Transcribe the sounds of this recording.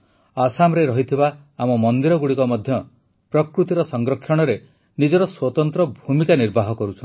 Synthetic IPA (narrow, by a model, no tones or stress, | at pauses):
asamɔɾeɾɔɦit̪ʰibaː | mɔmɔnd̪iɾɔɡuɽikɔmɔd̪ʱjɔ | pɾɔkɾut̪iɾɔsɔŋɡɾɔkʰːjɔɽ̃ɔɾe | nid͡ʒɔɾɔswɔt̪ɔnt̪ɾɔbʱumikaniɾbʱaɦɔkɔɾut͡ʃʰɔn